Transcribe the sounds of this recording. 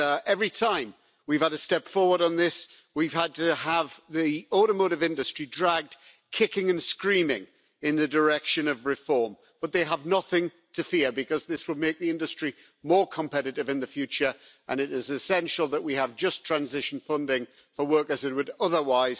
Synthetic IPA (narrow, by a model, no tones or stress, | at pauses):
ʔɛvɹitʰãɪ̃m | wiv̥əɾɨstɛpfɔɹwə˞ɾn̩ðɪs | wiv̥əd̚tɨəvðiɔɾəmoʊɾɨvɪ̃ndɨstɹ̥idɹaɡ̚d | kʰɪkɪ̃ŋɨ̃nskɹĩmɪ̃ŋ | ɪ̃nðɨdə˞ɛkʃɨ̃nʌvɹɪfɔɹm | b̥ʌt̪̚ðeɪəvnʌθɪ̃ŋ | tʰɨfɪɹbɨkʰʌzðɪswəd̚meɪk̚ðiɪ̃ndɨstɹ̥i | mɔɹkʰə̃mpʰɛɾɨɾɨvɨ̃nðɨfjʉt͡ʃə˞ʔə̃nɪɾɪzɨsɛ̃nʃl̩ˠðəʔ̚wiəvd͡ʒʌstʰɹ̥æ̃nzɪʃə̃n̩fʌ̃ndɪ̃ŋ | fəwɜ˞kəzɨt̚wəɾʌðə˞waɪz̥